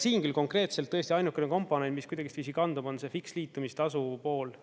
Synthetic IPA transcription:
siːnkylko̞ŋkre̞ːt̪selt̪ːɤ̞est̪iɑjnukːˑeneko̞mpˑo̞ne̞nt̪ːmiskujd̥̪ɑɡist̪visikɑnd̪ubo̞nse̞fiksliːt̪ːˑumist̪ɑsupo̞ːl

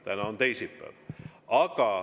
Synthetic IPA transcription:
t̪ænɑont̪eisipːæ̰ːʋɑkɑ

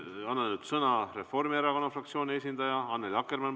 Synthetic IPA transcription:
ɑnːɑnyd̪sɤnɑre̞fo̞rmieɾɑko̞nːɑfrɑkt̪sio̞ːnʲies̬ʲind̪ɑjɑɑnːelɑkːˑermɑn

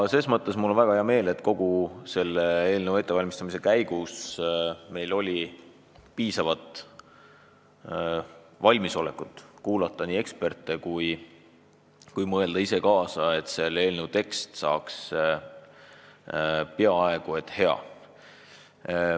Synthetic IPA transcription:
se̞ːsmɤt̪ˑːe̞smulːonvæɡ̥ɑhe̞ɑme̞ːle̞t̪ko̞ɡ̥use̞lːeeːlnewe̞t̪ːˑevɑlʲmist̪ɑmise̞kæjɡ̥us | me̞jlo̞lʲi | piːsɑvɑt̪ˑ | vɑlʲmiso̞lekːˑut̪ːˑkuːlɑt̪ˑːɑnʲiːe̞kspe̞rt̪ːˑe̞kuj | kujmɤeld̪ɑise̞kɑːsɑe̞t̪se̞le̞ːlnewt̪e̞kst̪sɑ̰ːks | peɑɑe̞ɡ̥ue̞t̪ːˑhe̞ɑ̰

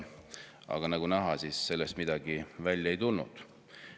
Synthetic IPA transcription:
ɑ̰ɡ̥ɑnɑɡ̥unæɦɑsiːsːe̞lːest̪̚mid̪̥ɑɡivælʲjɑe̞jt̪ulnṵd̪̥

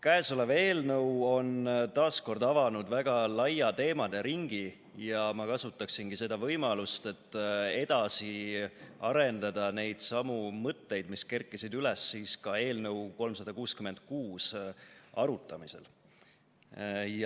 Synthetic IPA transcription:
kæesole̞ve̞ːlnɤwo̞nt̪ɑːsko̞rd̪ɑvɑnud̪væɡ̥ɑlɑjɑt̪e̞ːmɑd̪̥e̞ɾiŋɡ̥i | jɑmɑkɑsut̪ːˑɑksinɡ̥ise̞d̪̥ɑvɤjmɑlust̪e̞t̪ːˑe̞d̪̥ɑsi | ɑɾe̞nd̪̥ɑd̪̥ɑne̞jd̪̥sɑmumɤt̪ːe̞jd̪̥miske̞rkːˑisid̪ylesːiːskɑe̞ːlnɤwko̞lmsɑd̪̥ɑkuːskyme̞nd̪̥̚kuːs | ɑ̰ɾut̪ːˑɑmise̞̰l | j

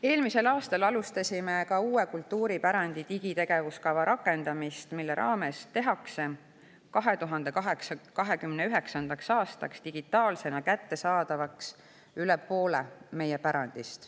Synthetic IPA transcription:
e̞ːlmise̞lɑːst̪ɑlɑlust̪ɑsʲimekɑuːe̞kult̪ːuːɾipæɾɑnd̪̥it̪iɡ̥it̪e̞ɡ̥e̞vuskɑvɑɾʔɑkːˑe̞nd̪̥ɑmist̪milːeɾʔɑ̰ːme̞st̪e̞ɦɑkse̞ | kɑɦe̞t̪uɦɑnd̪̥e̞kɑɦekskɑɦe̞kymneyɦe̞ksɑnd̪̥ɑksɑːst̪ɑ̰kst̪iɡ̥it̪ːˑɑːlse̞nɑkæt̪ːe̞sɑːd̪̥ɑvɑks | ylɛpːo̞ːlḛme̞jepæɾɑnd̪̥ist̪

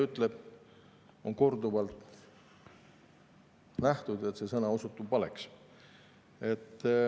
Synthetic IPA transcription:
yt̪ːˑleb̥ | o̞ŋko̞rd̪uvɑlt̪ | næht̪ud̪e̞t̪se̞sɤnɑosut̪ːˑubːɑleks | e̞t̪ː

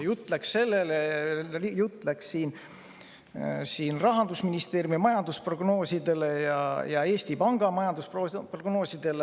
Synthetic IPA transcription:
jut̪ːˑlæksse̞lːeleijut̪ːˑlækssiːn | siːnrɑɦɑnd̪usminist̪eːɾjumimɑjɑnd̪usproɡ̥no̞ːsid̪e̞le̞jɑjɑ̰e̞ːst̪ipɑŋɡ̥ɑmɑjɑnd̪uspoproɡ̥no̞ːsid̪̥e̞le

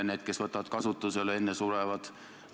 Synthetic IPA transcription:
neːt̪̚ke̞sʋɤt̪ːˑɑʋɑt̪kɑsut̪ːˑusele̞nːesureʋɑt̪

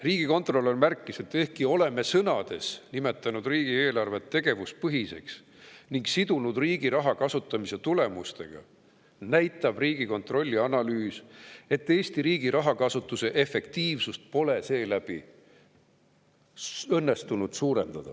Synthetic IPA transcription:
riːɡ̥iko̞nt̪ro̞lːo̞nmærkˑːise̞t̪ːˑe̞hkio̞le̞me̞sɤnɑd̪̥e̞snime̞t̪ːˑɑnud̪riːɡ̥ieːlɑrve̞t̪ːe̞ɡ̥e̞vus̚pɤɦise̞̰ks | niŋɡsid̪unud̪riːɡ̥iɾɑɦɑkɑsut̪ːˑɑmise̞t̪ule̞must̪e̞̰ɡ̥ɑ̰ | næjt̪ːˑɑb̥riːɡ̥iko̞nt̪ro̞lʲːiɑnɑlyːse̞t̪ːe̞ːst̪iɾiːɡiɾɑɦɑkɑsut̪ːˑuse̞ʔe̞fːe̞kt̪iːvsust̪̚po̞le̞se̞ːlæb̥i | ɤnːe̞st̪unud̪̥suːɾe̞nd̪̥ɑd̪̥ɑ̰

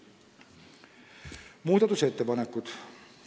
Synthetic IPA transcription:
muːd̪ɑt̪use̞t̪ːepɑnekːˑut̪

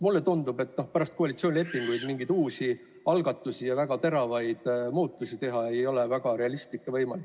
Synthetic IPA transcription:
mulːe̞t̪und̪ube̞t̪ˑːnohpæɾɑst̪koɑlit̪sioːnʲilepːˑiŋɡ̥ujd̪miŋɡid̪̥uːsi | ɑlɡ̥ɑt̪ːˑusijɑvæɡ̥ɑt̪e̞ɾɑvɑjd̪̥muːt̪ːˑusit̪e̞ɦɑe̞jjo̞le̞væɡ̥ɑɾe̞ɑlist̪likːˑevɤ̞jmɑlikː

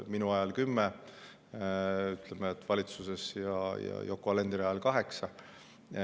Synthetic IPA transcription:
minuɑjɑlkymːe | yt̪ˑlemeet̪ːˑvɑlʲit̪suse̞sjɑjɑ̰jokːoɑle̞nd̪̥ɾɑɑlkɑɦe̞ksɑ

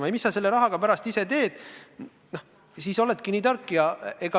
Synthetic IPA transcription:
mɑejmisːɑse̞lːe̞ɾɑɦɑɡ̥ɑpæɾɑst̪ise̞t̪e̞ːd̪̥ | no | siːso̞le̞t̪kiniːt̪ɑrkːijɑe̞ɡ̥ɑ

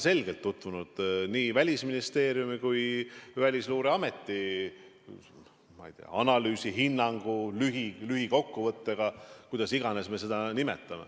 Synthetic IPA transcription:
se̞lɡ̥e̞lt̪ːut̪vunud̪̥niːvælʲisminist̪e̞ːɾjumikujvælʲisluːɾeɑme̞t̪ːi | mɑ̰jt̪ḛɑ̰ɑnɑlyːsiɦinːɑŋɡ̥ulyɦilyɦiko̞kːuvɤt̪ːeɡ̥ɑkujd̪̥ɑsiɡ̥ɑne̞sme̞se̞d̪̥ɑnimḛt̪ːˑɑme̞̰

